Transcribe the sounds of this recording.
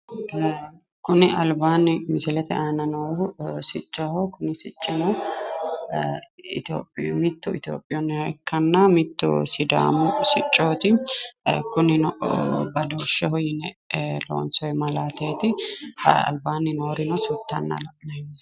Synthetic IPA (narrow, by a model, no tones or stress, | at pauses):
kʊnɪɐlbaːnːɪmɪsɪlɛt̪ɛʔaːnɐnoːsɪt͡ʃʼːɐhɔkʊnɪsɪt͡ʃʼːɪnɔ | ɪt̪o̰ːpʼːmɪt̪ːʊɪt̪jo̰ːpʼːɪjɔnːɛkʰːɐnːamɪt̪ːʊ̰sɪd̪a̰ːmʊsɪt͡ʃʼːoːt̪ɪ | kʊnɪnɔbɐd̪oːʃːɛhɔjɪnɛlo̰ːnsɔjmɐlaːt̪eːt̪ɪ | ɐ̰lbaːnːɪnoːɾɪnɔsʊt̪ːɐnːa̰lɐʔnɐɪn